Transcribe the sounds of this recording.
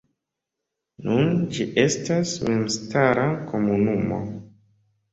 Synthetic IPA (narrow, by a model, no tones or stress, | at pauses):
nund͡ʒiʔe̞stasme̞mstaɾako̞munumo̞̰